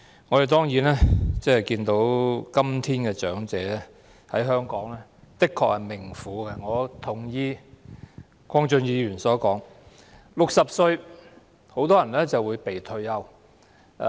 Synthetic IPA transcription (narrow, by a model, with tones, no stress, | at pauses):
ŋɔː˨˧de˨˩t̪̬ɔː˥ŋjiː˨˥nɛː˥t͡sɛː˥˨˩jkiː˧nt̪o˨˥wkɐ˥mt̪ʰiː˥nkɛː˧t͡ʃœː˨˥ŋt͡sɛː˨˧lɛː˥ | hɐ˨˥jɦœː˥ŋkɔː˨˥ŋlɛː˥t̪ɪ˥kʰːɔː˨˧k̚hɐ˨˩jmɪ˨˩ŋfuː˨˧˦ɡɛ˧ŋɔː˨˧t̪ʰʊ˨˩ŋjiː˧ | kʰʷɔː˥ŋt͡ʃɵ˧njiː˨˧ɥyː˨˩nsɔː˨˥kɔː˨˥ŋ | lʊ˨k̚sɐ˨p̚sɵ˧ɥ | ho˨˥wt̪ɔː˥jɐ˨˩nlɛː˥t͡sɐ˨wuː˨˧jpe˨˩jt̪ʰɵ˧ɥjɐ˧w